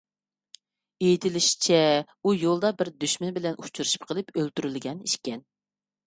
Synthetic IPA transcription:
ejit̪ʰɪlɪʃi̥t͡ʃʰɛ | ujolˠd̪ɑbɪɾd̪yʃmɪnbɪlɛnut͡ʃʰuɾuʃi̥p̚qʰəlˠɨpølt̪yɾylɡʲɛniʃkʲɛn

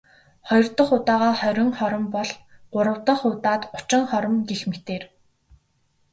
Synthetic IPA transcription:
χɔjɞ̆rt̪ə̆χʊt̪aːʁaːχœɾʲɪ̆ŋχɔɾɞ̆mpɔɮɢ̥ʊɾə̆wt̪ə̆χʊːt̪aːt̪ʊ̥t͡ɕɪ̆ŋχɔɾɞ̆mɡexmet̪eːr

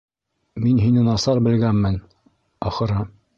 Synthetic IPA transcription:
minɦinɘnɑsɑɾbɘ̆lɡænmɘn | ɑχɤ̆ɾɑ

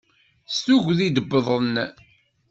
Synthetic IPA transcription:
stuʝʷðid̪əbːəðˤən

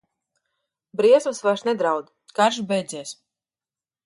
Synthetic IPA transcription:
bɾiɛsmɨsvaɾsnɛd̪ɾawd̪ | kaɾʃbɛjd̪zɛːs

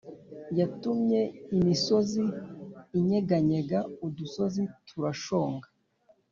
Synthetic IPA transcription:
jatumɲe̞imiso̞ziː | ɲeɡaɲeɡauduso̞zitʰuɾaʃo̞ːŋɡa

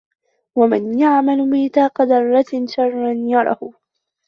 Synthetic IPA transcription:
wamɪnjaʕmalmɪːt̪ɑːqɑd̪ɑrˤːɑʃɑrˤːɑnjɑɾˤɑ̰hʊ

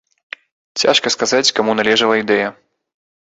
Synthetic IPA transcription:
t͡sʲa̰ʂkɐskazat͡sʲkamunalʲɛʐɐlˠɐid̪ɛjɐ

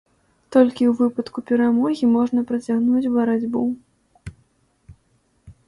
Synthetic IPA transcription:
t̪ɔlʲkʲiwvɨpɐt̪kupʲɛɾamɔɣʲimɔʐnɐpɾɐt͡sʲaɣnut͡sʲvɐɾad͡zʲbu

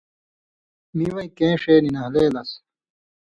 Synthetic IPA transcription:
miwɐĩkẽːʂeːninɐɦleːlɐs

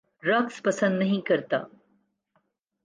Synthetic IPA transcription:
ɾɐɡspɐsə̃nd̪nɐɦĩkɐɾt̪a̰ː

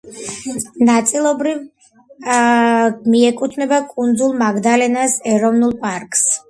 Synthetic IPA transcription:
nat̪sʼilˠɔbɾiv | miɛkʼut̪ʰnɛbakʼund̪zulˠmaɡd̪alɛnasɛɾɔvnulˠpʼaɾkʼs

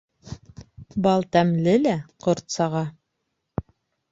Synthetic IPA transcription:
bɑlˠt̪æmlɘlæqŏɾt̪sɑʁɑ

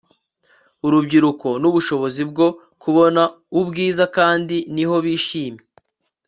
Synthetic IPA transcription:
uɾubɟiɾuko̞nuβuʃo̞βo̞zib̚ɡo̞ | kuβo̞na | ubɡiːzakaːndiniɦo̞βiːʃiːme

